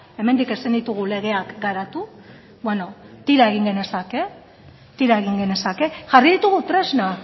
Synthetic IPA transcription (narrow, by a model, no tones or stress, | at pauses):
e̞me̞nd̪ike̞sind̪it̪uɣ̞ule̞ɣ̞e̞akɡaɾat̪u | bweno̞t̪iɾae̞ɣ̞iŋɡe̞ne̞sake̞ | t̪iɾaeɣ̞iŋɡe̞ne̞sake̞ʝariðit̪uɣut̪ɾe̞zna